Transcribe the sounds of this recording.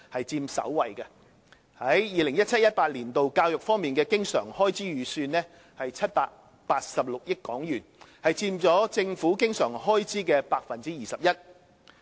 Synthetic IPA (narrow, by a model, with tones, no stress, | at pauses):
hɐ˨jt͡siː˧msɐ̰˨˥wwɐ˨˩jkɐ˧ | hɐ˨˥jjiː˨˧lɪ˨˩ŋjɐ˥t̚t͡sʰɐ˥t̚jɐ˥t̚paː˧t̚liː˨˩nt̪o˨wkaː˧wjʊ˨k̚fɔː˥ŋmiː˨nkɛː˧kɪ˥ŋsœ̰ː˨˩ŋhɔː˥jt͡siː˥jyː˨˧˥syː˧nlɛː˥ | hɐ˨jt͡sʰɐ˥t̚paː˧k̚ | paː˧t̚sɐ˨p̚lʊ˨k̚jɪ˥kkːɔː˨˥ŋjyː˨˩nhɐ˨jt͡siː˧mt͡sɔː˨˥t͡sɪ˧ŋfuː˨˥kɪ˥ŋsœː˨˩ŋhɔː˥jt͡siː˥kɛː˧paː˧k̚fɐ˨nt͡siː˥jiː˨sɐ˨p̚jɐ˥t̚